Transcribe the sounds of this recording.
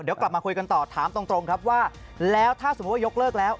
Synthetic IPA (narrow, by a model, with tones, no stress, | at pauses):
di˨˩˦wkla˨˩p̚maː˧kʰu˧jka˧nt̪ɔː˨˩t̪ʰaː˩˦mt̪o˧ŋt̪ɾo˧ŋkʰa˦˥p̚waː˥˩ | lɛː˦˥wt̪ʰaː˥˩so˩˦˥t̚waː˥˧jo˦˥k̚lɤː˥˩k̚lɛː˦˥w